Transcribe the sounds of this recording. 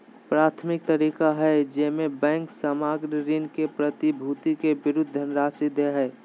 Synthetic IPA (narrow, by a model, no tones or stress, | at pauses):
pɾaːt̪ʰmɪk̚t̪əɾiːkaɦɛd͡ʒɛɦmẽbɛ̃ːŋksəmaːɡɾəɾɪnkepɾət̪ibʱut̪ikebɪɾʊd̪ʱːənɾaːsid̪eɦɛː